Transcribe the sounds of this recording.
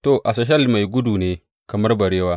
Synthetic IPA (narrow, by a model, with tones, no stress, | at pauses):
to˨ʔa˨sɐ˨ʃ̬ɐ˦lma˨jɡʷʊ˦duː˨neː˦ | kɐ˨mɐ˦rbɐ˨ɽeː˦waː˦